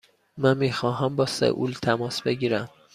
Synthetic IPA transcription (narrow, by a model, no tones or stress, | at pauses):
mænmiːxɒːɦæmbɒːsḛʔṵlt̪ʰæmɒːsbeɟiːɾæm